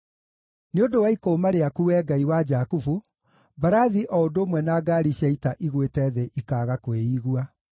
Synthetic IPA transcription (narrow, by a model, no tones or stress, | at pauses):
neondowaikoːmaɾeakuːwɛːɡaiwad͡ʒaːkufu | baɾaðiʔɔodomwɛnaːɡaːɾiɕjɛitaʔiɣwetɛðeʔikaːɣakweiːɣua